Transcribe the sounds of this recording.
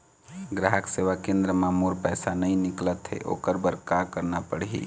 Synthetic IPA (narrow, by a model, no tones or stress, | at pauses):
ɡɾaɦəkseʋakẽnd̪ɾəmamoɾpəsanəjniklət̪ɦḛʔo̰kəɾbəɾkakəɾnapəɽɦḭ